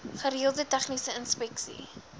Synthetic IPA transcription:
χəɾiəlˠdətɛχnisəənspɛksḭ

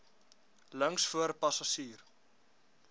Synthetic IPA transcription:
ləŋsfuəɾpɐsɐʃiːr

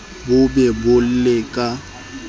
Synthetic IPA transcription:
bʊbɛbʊl̩lekʼa

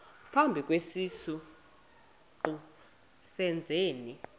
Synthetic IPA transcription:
pʰambʱik̬ʼwesisu | ǃu | sɛnd͡zʱeːni

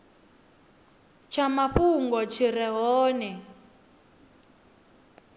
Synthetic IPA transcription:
t͡ʃʰamaɸuŋɡɔt͡ʃʰiɾɛɦɔːnɛ

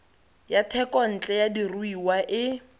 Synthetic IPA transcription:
jatʰɛkʼɔn̩t͡ɬʼɛjadiruiwaʔɪ

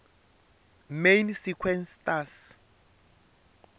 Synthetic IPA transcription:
mejnsikʰwɛnstas

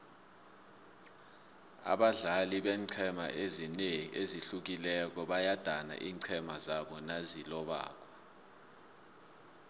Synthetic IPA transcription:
a̰ɓaɮaliɓɛːǀʰɛma̰ʔezineŋiʔeziɬuk̬ilɛk̬ɔɓajad̥ʱana̰ʔiːǀʰɛmazaɓɔnazilɔɓa̰ːk̬ʼɔ̥

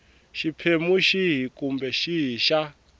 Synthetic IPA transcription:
ʃipʰemuʃiɦikumbɛʃiɦiʃa

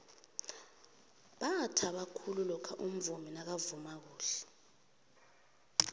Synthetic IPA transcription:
ɓatʰaɓakʰululɔkʰaʔum̩vuminak̬avumak̬uːɬɛ̥

